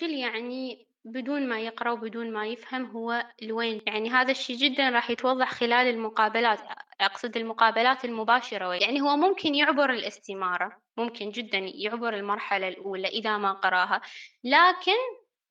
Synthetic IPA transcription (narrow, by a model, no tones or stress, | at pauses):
ʃɪljaʕni | bɪd̪uːnmajɪqɾˤɑwbɪd̪uːnmajɪfhamɦʊwːalweːnjaʕniɦaːðaʃːiːd͡ʒɪd̪ːanɾˤɑːħjɪt̪wɑðˤːɑħxɪlaːlɪlmʊqɑːbalaːt̪ʔʔɑqsˤɨd̪ɪlmʊqɑːbalaːt̪ɪlmʊbaːʃɑɾˤɑwjaʕniɦʊwːamʊmkʰɪnjʊʕbʊɾɪlʔɪst̪ɪmɑːɾˤɑ | mʊmkɪnd͡ʒɪd̪ːanjʊʕbʊɾɪlmɑɾˤħalalʔuːlaʔɪðamaqɑɾˤɑːɦalaːkɪn